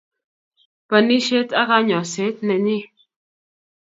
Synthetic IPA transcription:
pə˨ni˦ʃe˦t͡sa˦ɣa˦ɲɔ̃˨se˨˦t̪̚nɛ˨ni˦

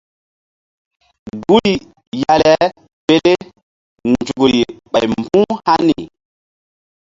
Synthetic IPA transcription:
ɡu˦li˨ | ja˨lɛ˦ | pe˦ɗe˦ | nd͡ʒu˨ɡɾi˨ɓa˨jmbũ˦ha˦ni˨

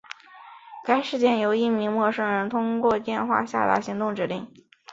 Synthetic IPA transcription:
ka˥ɪʂɻ̩˥˧t͡ɕjɛ˥˩njo˧˥ʊi˥˩mi˧˥ŋmwɔ˥˧ʂɤ˥ŋɻə˧˥nt̪ʰʊ˥ŋkwɔ˥˧t̪jɛ˥˧nxwa̰˥˧ɕja̰˥˩t̪a̰˧˥ɕi˧˥ŋt̪ʊ˥˩ŋʈ͡ʂɻ̩˧˥li˥˩˦ŋ

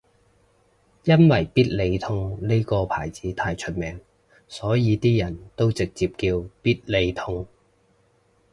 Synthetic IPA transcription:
jɐ˥nwɐ˨˩jpiː˥t̚le˨˧jt̪ʰʊ˧ŋne˥jkɔː˧pʰaː˨˩jt͡siː˨˥t̪ʰaː˧jt͡ʃʰɵ˥t̚mɛː˨˧ŋ | sɔː˨˥jiː˨˧t̪iː˥jɐ˨˩nt̪o˥wt͡sɪ˨k̚t͡siː˨p̚kiː˧wpiː˥t̚le˨˧jt̪ʰʊ˥ŋ

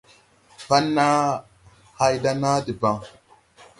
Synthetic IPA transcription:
pa˦nːa˦ | ha˦jda˦na˦di˨ba˨ŋ

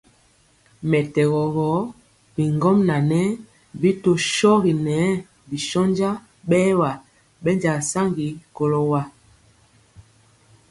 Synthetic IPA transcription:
mɛ˨tɛ˨ɣɔ˨ɣɔ˨˦ | bi˨ŋɡɔ˦mna˨nɛ˦ | bi˦to˦ʃɔ˦ɣi˨nɛ˨˦ | bi˨ʃɔ˦nd͡ʒa˦ | ɓɛː˦wa˨ | ɓɛ˦nd͡ʒa˨sa˦ŋɡi˨˦ko˨lo˦wa˦

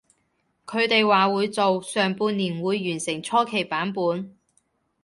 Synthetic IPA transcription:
kʰɵ˨˧ɥt̪e˨jwaː˨wuː˨˧jt͡so˨wsœː˨ŋpuː˧nːiː˨˩nwuː˨˧jːyː˨˩nsɪ˨˩ŋt͡ʃʰɔː˥kʰe˨˩jpaː˨˥npuː˨˧n

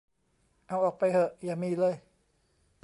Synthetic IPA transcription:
ʔa˧wʔɔː˨˩k̚pa˧jhɤ˧˩ʔjaː˨˩miː˧˥˨lɤː˧˨j

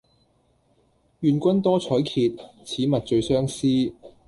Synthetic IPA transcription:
jyː˨˧nkʷɐ˥nt̪ɔː˥t͡sʰɔː˨˥jkʰiː˧t̚t͡sʰiː˨˥mɐ˨t̚t͡ʃɵ˧ɥsœː˥ŋsiː˥

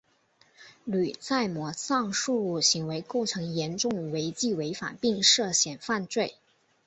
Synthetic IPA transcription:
ly˨˩t͡sa˥˩ɪmwɔ˧˥sɑ˥˧ŋʂu˥˧lu˥˩ɕi˧˥ŋwe˧˥ɪko˥˩ʊʈ͡ʂʰɤ˧˥ŋjɛ˧˥nʈ͡ʂʊ˥˩ŋwe˧˥ɪt͡ɕi˥˩we˧˥ɪfa̰˨˩npi˥˧ŋʂɤ˥˩ɕjɛ˨˩nfa˥˧nt͡swe˥˩ɪ

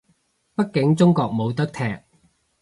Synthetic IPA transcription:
pɐ˥t̚kɪ˨˥ŋt͡sʊ˥ŋkɔː˧k̚mo˨˧wt̪ɐ˥k̚t̪ʰɛː˨k̚

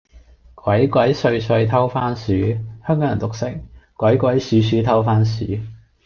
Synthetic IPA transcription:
kwɐ˨˥jkwɐ˨˥jsɵ˧ɥsɵ˧ɥt̪ʰɐ˥wfaː˥nsyː˨˥hœː˥ŋkɔː˨˥jɐ˨˩nt̪ʊ˨k̚sɪ˨˥ŋ̚kʷwɐ˨˥jkʷɐ˨˥jsyː˨˥s̬yː˨˥t̪ʰɐ˥wfaː˥nsy̰ː˨˥

